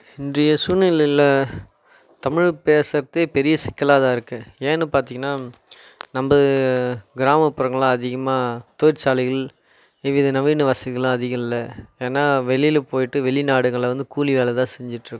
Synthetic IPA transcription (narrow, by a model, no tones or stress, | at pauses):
ɪndrɐjɐsunɪlɪlɐ | t̪ɐmɪɻpeːsɐɾɐt̪ːeːpɛɾɪjɐsɪkːɐlaːðaːɪɾɯkːɯeːɛnːɯpaːɾt̪iŋɡɐnːaː | nɐmbɐ | ɡɪɾaːmɐpːɯɾɐŋɡɐɭãːɐðɪɣɐmaːt̪oːjɪɾsaːlɪɣɐɭ | ɪʋiðɐnɐʋiːnɯʋɐsɐɪɣɐlãːɐðɪɣɐmɪlːɐeːnːaːʋɛɭɪjɪlpoːjɪʈːɯʋɛɭɪnaːɽɯŋɡɐɭʋɐnd̪ɯkuːlɪʋeːlɛt̪ãːsɛɲd͡ʒɪʈːɾɯkːɯ̃